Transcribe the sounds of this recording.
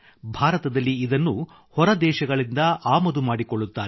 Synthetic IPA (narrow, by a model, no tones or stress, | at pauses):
bʱaːɾɐt̪ɐd̪ɐlːiːd̪ɐnːu | hɔɾɐd̪ɛːʃɐɡɐɭind̪ɐʔaːmɐd̪umaːɽikoɭːut̪ːaː